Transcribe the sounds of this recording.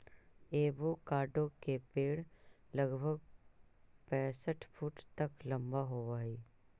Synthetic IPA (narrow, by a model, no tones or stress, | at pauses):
eːbokaːɖõkepeːɽləɡbʱəɡ̚ | pɛ̃ːsəʈʰpʰuːʈt̪əklɐ̃mbaɦoːʋaːiː